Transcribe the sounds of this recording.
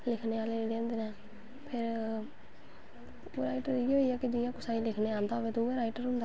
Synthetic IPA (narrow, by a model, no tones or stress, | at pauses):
lɪkʰneːaːleːɖeə̃nd̪eːnɛ̃ː | pʰɪɾ | ɾaːɪʈəɾɪɦoːiːɛːkɪd͡ʒɪjãːkʊsãːĩːlɪkʰneːaːnd̪aːoʋeːt̪õeːɾaːɪʈəɾɦʊ̃nd̪a